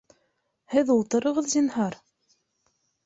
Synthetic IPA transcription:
hɘðulˠt̪ɤ̆ɾɤ̆ʁɤðzinhɑɾ

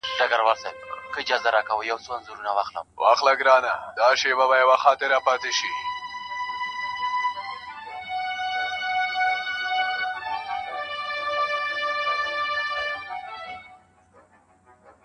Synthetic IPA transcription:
ɖaɡaɾwalsab̚kəɪd͡ʒɑzaɾɑkawəjawt͡soanzuɾunawɑxlə̰mwʔɑ̰xlaɡɾɑːnad̪ɑʃebabajawaxɑt̪ɪɾapɑt̪eʃi

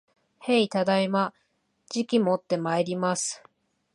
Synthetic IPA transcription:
heit̪ad̪aima | d͡ʑikʲimot̪ːe̞maeɾʲimasɨ̥

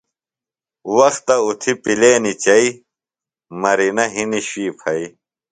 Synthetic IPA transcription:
wɐxt̪ɐut̪ʰipileːnit͡ɕɐi | mɐɾinɐɦiniɕiːpʰɐi

